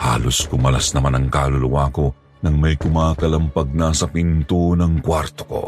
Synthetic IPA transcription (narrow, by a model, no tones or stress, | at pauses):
ha̰ːloskʊmɐlasnɐmanɐŋkaːlʊlʊwaːko̞ | nɐŋmɐjkʊmaːkɐlɐmpɐɡ̚nɐsɐpint̪onɐŋkwaɾt̪o̥ko̞̰